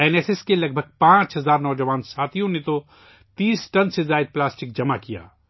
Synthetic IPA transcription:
ɛːnɛːsɛskelɐɡ̚bʱəɡ̚pãːt͡ʃɦɐzaːɾnɔːd͡ʒəʋaːnsaːt̪ʰijõnet̪o | t̪iːsʈɐnsezaːɪd̪̚plaːsʈɪk̚d͡ʒɐmakija̰ː

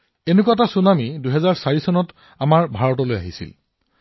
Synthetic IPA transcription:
enuk̬uatasunamiduɦɛzaɹsaɹisɔnɔt | amaɹbʱaɹɔtɔloja̰ɦisḭl

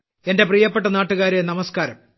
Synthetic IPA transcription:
e̞nde̞priːjɐpːe̞ʈːɐnaːʈːuɣaːɾenɐmɐskaːɾɐ̰m

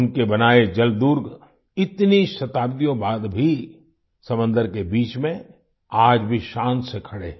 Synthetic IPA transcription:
ʊnkebɐnaːed͡ʒɐld̪uɾɡ | ɪt̪niʃɐt̪aːbd̪ijõbaːd̪bʱi | sɐmə̃nd̪əɾkebiːt͡ʃmẽ | aːd͡ʒbʱiʃãːnsekʰɐɽeː

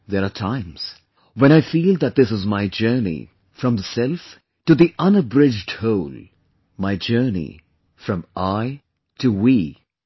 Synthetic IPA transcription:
ðɛɾatʰãɪ̃mz̥ | wɛ̃ɾ̃aɪfiːlˠd̪ət̚d̪ɪsɨzmaɪd͡ʒɜ˞nḭ | fɹʌ̃mðəsɛlˠf | tuðiʔʌ̃nəbɹɪd͡ʒɖhoʊlˠ | maɪd͡ʒɜ˞nḭ | fɾʌ̃mʔaɪ | tʰuwi

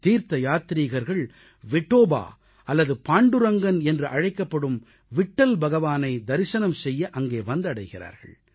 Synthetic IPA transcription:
t̪iːɾt̪ɐjaːt̪ɾiːɣɐɾɣɐɭ | ʋɪʈːoːba̰ː | ɐlːɐðɯpaːɳɖɯɾɐŋɡɐnɛndrɯʔɐɻɐɪkːɐpːɐɽɯm | ʋɪʈːɐlbɐɣɐʋaːnɐɪd̪ɐɾɪsɐnɐmsɛjːɐʔɐŋɡeːʋɐnd̪ɐɽɐɪɣɪra̰ːɾɣɐ̰ɭ

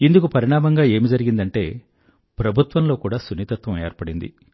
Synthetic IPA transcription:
ind̪ukupɐɾiɳaːmɐŋɡaːe̞ːmid͡ʒɐɾiɡind̪ɐɳʈe̞ː | pɾɐbʱut̪ʋɐmlo̞ːkuːɽaːsunit̪ɐt̪ʋɐmeːɾpɐɽind̪ḭ

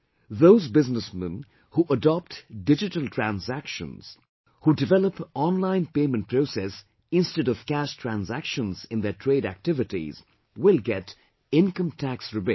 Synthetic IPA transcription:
ðoʊzbɪznəsmə̰̃n | huʔədɔp̚tdɪd͡ʒɪtəlˠtʰɹæ̃nzækʃə̰̃nz̥ | hudɪvɛləpɔ̃nlãɪ̃npeɪmə̃nt̚pʰɾoʊsɛs | ɪ̃nstɛɾɔv̥kæʃtʰɹæ̃nzækʃə̃nzɪ̃nðetʰɹeːɾæ̰k̚tɪvɪʈḭz | wɪlˠɡɛt | ɪ̃nkə̃mtʰæksɹɪbe

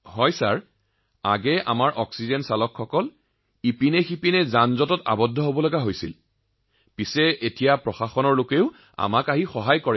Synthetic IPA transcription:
hɔjsaɹ | a̰ɡɛʔa̰maɹʔɔksizɛnsalɔkʰxɔkɔl | ipinɛxipinɛzanzɔtɔta̰bɔdʱːɔɦobɔlɔɡaɦojsḭl | pisɛʔetijapɹɔxaxɔnɔɹlokeʊ | a̰makaɦixɔɦajkɔɹɛ

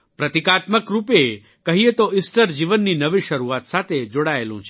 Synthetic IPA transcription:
pɾət̪ikat̪məkɾupe | kəɦiet̪oʔisʈəɾd͡ʒiʋənːinəʋiʃəɾuʋat̪sat̪ʰed͡ʒoɽaelṵ̃t͡ʃʰe

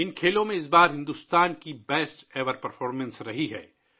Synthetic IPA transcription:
ɪnkʰeːlõmẽɪs̬baːɾɦɪ̃nd̪ust̪aːnkibɛːsʈeːʋəɾpɐɾfʰɔːɾmə̃nsɾɐɦiɦɛ̰ː

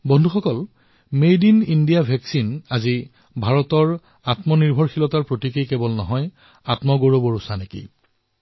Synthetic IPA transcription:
bɔndʱuxɔkɔl | medinindijabʱɛksinazi | bʱaɹɔtɔɹ | atmɔniɹbʱɔɹxilɔtaɹpɹotikejkebɔlnɔɦɔj | atmɔɡoɹobɔɹusanekḭ

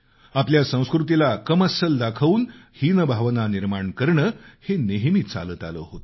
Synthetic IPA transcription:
apljasə̃w̃skɾut̪ilakəməsəld̪akʰaʋuːnhinəbʱaʋnaniɾmaɳkəɾɳəːheneɦmiːt͡sa̰ləːt̪a̰lə̰ːɦot̪

